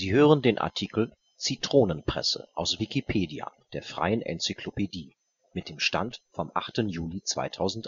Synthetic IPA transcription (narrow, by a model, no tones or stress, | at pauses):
z̥iːɦøːʁəndeːnʔa̰ɐtʰikl̩ | t͡sitʁ̥oːnənpʁ̥ɛ̰sə̰ʔaʊsv̥ikipʰeːdia̰d̥eːɐfʁ̥a̰ɪənʔɛ̰nt͡sikʰlopediː | mɪt̚d̥eːmʃta̰ntfɔmʔa̰χtənjuːlit͡sv̥a̰ɪtʰaʊzn̩t